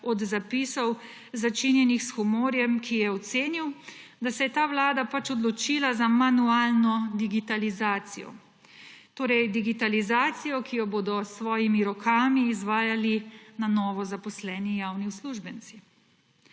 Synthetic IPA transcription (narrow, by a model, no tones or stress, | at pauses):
ɔd̪zapisɔw | zat͡ʃinjɛnixsxumoːɾjɛmkʰijɛɔt̪seːniwd̪asɛjɛt̪aːʋlaːd̪apat͡ʃɔd̪lɔt͡ʃilazamanuaːlnɔd̪iɡit̪alizaːt̪sijɔ̰ | t̪oːɾɛjd̪iɡit̪alizaːt̪sijɔkʰijɔboːd̪ɔsʋɔːjimiɾɔkʰaːmiːzʋaːjalinanɔːʋɔzapɔslɛːnijaːwniusluʒbənsi